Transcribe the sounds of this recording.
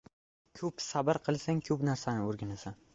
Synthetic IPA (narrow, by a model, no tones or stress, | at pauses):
kʲʰɵpsabɪɾqʰɨlˠsaŋkʰɵpnaɾsanɪoɾɡʲanasan